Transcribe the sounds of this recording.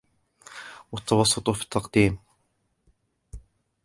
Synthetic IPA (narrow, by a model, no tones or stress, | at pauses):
wɑt̪ːɑwɑsˤːʊt̪ˤʊfi̥t̪ʰːɑqd̪iːm